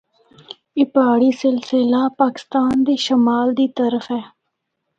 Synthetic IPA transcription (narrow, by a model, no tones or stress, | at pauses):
ɪpaːɽisɪlsɪlapaːkɪ̥st̪aːnd̪eːʃɐmaːld̪iːt̪ɐɾəfɛː